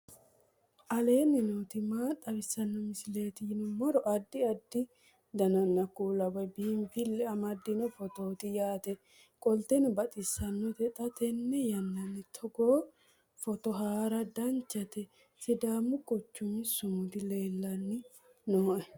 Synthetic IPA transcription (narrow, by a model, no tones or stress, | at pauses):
ʔɐle̞ːnːɪnoːt̪ɪmaːt̪ʼːɐbɪsːɐnːɔmɪsɪle̞ːt̪ɪnʊmɔɾɔʔɐd̪ːɪɐd̪ːɪ | d̪ɐnɐnːɐkuːlɐwɔjbiːmfɪlːɛɐmɐd̪ːɪnɔfɔt̪o̞ːt̪ɪjaːt̪ɛ | kʼɔlt̪ɛnɔbɐt̪ʼɪsːɐnːɔt̪ɛt̪ʼɐt̪ɛnːɛjɐnːɐnːɪt̪ʰɔɡoː | fɔt̪ɔɦaːɾɐd̪ɐɲt͡ʃːɐt̪ɛ | sɪd̪aːmːʊɡɔt͡ʃːʊmːɪsʊmʊd̪ɪle̞ːlːɐnːɪ | noːʔɛ